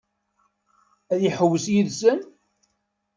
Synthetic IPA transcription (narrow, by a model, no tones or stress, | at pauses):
æðjiħəwːəsjiðsən